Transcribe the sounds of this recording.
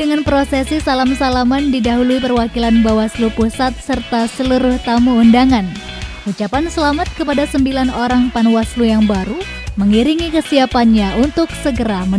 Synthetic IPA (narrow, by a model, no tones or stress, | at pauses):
əŋanpɾosɛsisalamsalamandidaɦuluipərwakilanbawaslupusat̪̚sərt̪asəluɾʊht̪amuundaŋan | ut͡ʃapansəlamat̪̚kəpadasəmbilanoɾaŋpanwaslujaŋbaɾu | məŋiɾiŋikəsiapanɲaʔunt̪ʊksəɡəɾamə